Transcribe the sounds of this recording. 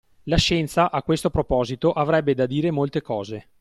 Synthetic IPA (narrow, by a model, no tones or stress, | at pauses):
laʃɛnt̪saʔakwest̪opɾopɔːzit̪oʔavɾɛbːed̪ad̪iːɾemolt̪ekɔːze